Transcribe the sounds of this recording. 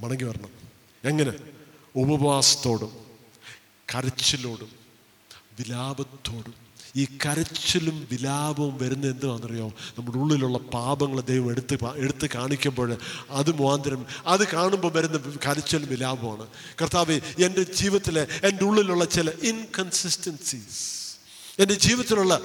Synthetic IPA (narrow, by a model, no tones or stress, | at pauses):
mɐɳɐŋɡːipɐrɐɳɐm | eŋːɐne̞ubɐʋʋaːsɐ̥t̪ːo̞ːɽum | kɐɾɐt͡ɕːɐlo̞ːɽum | ʋilaːbɐt̪ːo̞ːɽum | iːkɐɾɐt͡ɕːɐlumʋilaːbɐʋumʋɐɾunːɐðe̞nd̪ɨʋaːnːɐrijoːnɐmːɐɽuɭːiluɭːɐpaːbɐŋːɐɭɐd̪ːeːɐʋɐmeɽut̪ːɨeɽut̪ːɨkaːɳikʲːumbo̞ːɻɐðɨmuaːnd̪ɐɾɐmɐðɨkaːɳumboːʋɐɾunːɐkɐɾɐt͡ɕːɐlumʋilaːbɐmaːɳɨ | kɐrt̪aːʋeende̞d͡ʑiːʋɐt̪ːileendeuɭːiluɭːɐt͡ɕilɐʔinkɐnsistɐnsis | ende̞d͡ʑiːʋɐt̪ːiluɭːɐ